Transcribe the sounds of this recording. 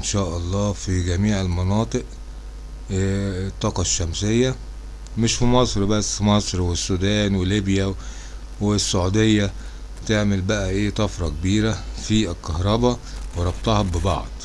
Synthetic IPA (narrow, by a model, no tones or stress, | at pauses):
ʔnʃæːʔɑlˤːɑːfiɡæmiːʕelmɑnɑːt̪ˤɨʔ | t̪ˤːɑːqɑʃːæmsejːæ | meʃfimɑsˤɾbæsːmɑsˤɾwesːud̪æːnweliːbjæ | wesːaʕuːd̪ejːæ | t̪eʕmelbæʔæʔeːt̪ˤɑfɾˤɑkebiːɾæfilkɑhɾˤɑbɑweɾˤɑb̚t̪ˤɑhɑbebɑ̰ʕd̪̥ˤ